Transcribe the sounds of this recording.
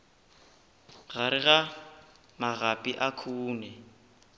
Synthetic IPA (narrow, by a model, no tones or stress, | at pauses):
ɣaɾɪɣa | maɣapʼiʔakʰuːnɛ